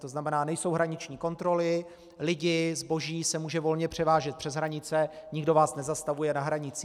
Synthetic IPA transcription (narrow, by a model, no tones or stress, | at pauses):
t̪o̞znamɛnaːnɛjso̞wɦɾaɲɪt͡ʃɲiːko̞nt̪ɾo̞lɪ | lɪɟɪzbo̞ʒiːsɛmuːʒɛvo̞lɲɛpr̝̥ɛvaːʒɛt̪̚pr̥ɛzɦɾaɲɪt͡sɛɲɪɡdo̞vaːsnɛzast̪avujɛnaɦɾaɲɪt͡siː